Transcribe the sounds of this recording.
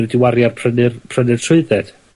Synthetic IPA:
dɪwaɾjarpʰrənɨrpʰr̥ənɨr̥tʰʊɨðɛd̥

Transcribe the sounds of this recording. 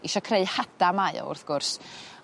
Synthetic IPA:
iʃɔkʰreɨhad̥amaɨɔ̰ʊ̰rθɡ̥ʊrs

